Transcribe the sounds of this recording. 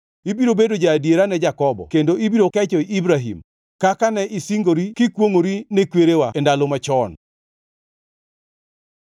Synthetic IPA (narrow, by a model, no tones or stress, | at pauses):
ibiɾobedod͡ʒadeɾanɛd͡ʒakɔbɔ̰kendoibiɾokɛt͡ʃɔiʔibɾaɦḭm | kakanɛʔisiŋɡoɾikɪkwoŋoɾinekweɾewaɛndalomat͡ʃɔn